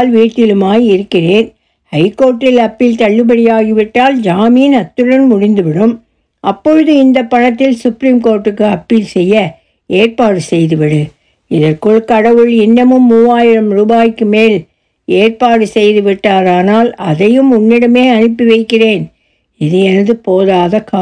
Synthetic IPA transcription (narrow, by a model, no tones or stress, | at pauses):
lʋiːʈːɪlɯmaːjɪɾɯkːɪreːn | hɐɪkːoːɾʈːɪlɐpːɪlt̪ɐɭːɯp̬ɐɽɪjaːɣɪʋɪʈːaːld͡ʒaːmiːnɐt̪ːɯɻɐnmʊɽɪnd̪ɯʋɪɽɯm | ʔɐpːɔɻɯðɯɪnd̪ɐpːɐɳɐt̪ːɪlsʊpɾiːmkoːɾʈːɯkːɯɐpːiːlsɛjːɐ | eːrpaːɽɯsɛjðɯʋɪɽɯ | ɪðɐrkɯɭkɐɽɐʋɯɭɪnːɐmɯmːuːʋaːjɪɾɐmɾuːbaːjkːɯmeːl | eːrpaːɽɯsɛjðɯʋɪʈːaːɾaːnaːlɐðɐjɯmʊnːɪɽɐmeːɐnɯpːɪʋɐɪkːɪreːn | ɪðɯjɛnɐðɯpoːðaːðɐkaː